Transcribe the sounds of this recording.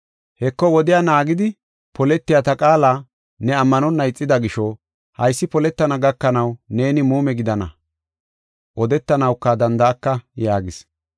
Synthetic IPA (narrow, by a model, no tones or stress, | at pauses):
hɛkːɔwɔd̪ɪjanaːɡɪd̪ɪ | pʰɔlɛt̪ːɪjat̪ɐkʼaːlaː | nɛɐmːɐnɔnːɐɪt͡sʼːɪd̪ɐɡɪʃɔ | hɐjsːɪpɔlɛt̪ːɐnɐɡɐkːɐnɐwne̞ːnɪmuːmɛɡɪd̪ɐnɐ̰ | ʔɔd̪ɛt̪ːɐnɐwkːɐd̪ɐnd̪ɐːkːɐjaːɡɪs